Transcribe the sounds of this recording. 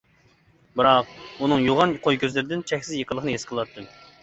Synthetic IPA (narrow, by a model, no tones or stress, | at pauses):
bɨɾɑq̚unɨŋjoʁɑnqʰojkʲøzlɪɾɪd̪ɪnt͡ʃʰɛxʲsɪzjeqʰəlˠəχənɨjesqʰəlˠɑt̪ʰːɨm